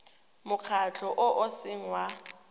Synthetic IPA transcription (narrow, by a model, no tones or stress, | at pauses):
mʊk͡xʰat͡ɬʰɔʔʊʔʊsɪŋ̩wa